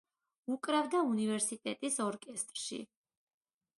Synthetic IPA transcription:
ukʼɾavd̪aunivɛɾsit̪ʼɛt̪ʼisɔɾkʼɛst̪ʼɾʃḭ

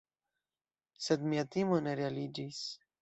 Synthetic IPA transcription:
sed̪miat̪imoneɾialid͡ʒis

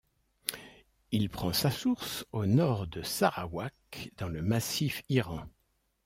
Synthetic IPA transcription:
ilpχɑ̃sasuʁsonɔʁd̪əsaʁawakd̪̥ɑ̃ləmasifiʁɑ̃

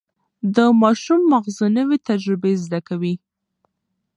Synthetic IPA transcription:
d̪əmɑʃumːaɣzunəwet̪ad͡ʒɾɪbezd̪akawi

